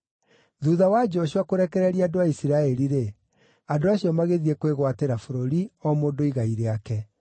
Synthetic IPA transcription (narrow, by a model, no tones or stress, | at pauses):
ðuðawad͡ʑɔɕwakoɾɛkɛɾɛɾiadoaisiɾaɛɾiɾe | adoaɕijɔmaɣeðiekweɣwateɾafoɾoɾiɔmoːndoiɣaiɾeakɛ